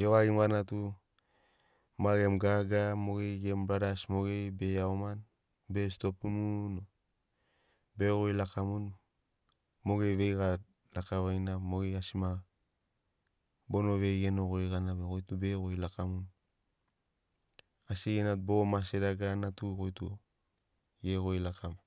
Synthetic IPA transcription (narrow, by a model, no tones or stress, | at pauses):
jowaɡimɡanatu | maɡe̞mɡaɡamo̞ɡe̞jɡembɾadasmo̞ɡe̞jbe̞aoman | be̞sto̞p̚tumuno | be̞ɣojlakamun | mo̞ɡe̞jβe̞jɡa | lakaβajnamo̞ɡe̞jasima | bo̞no̞βe̞ɡeno̞ɣoeɡanaβekojtube̞ɣojlakamun | asiɡenat̚bo̞maseɾaɡanatukojtu | jeɣo̞jlakam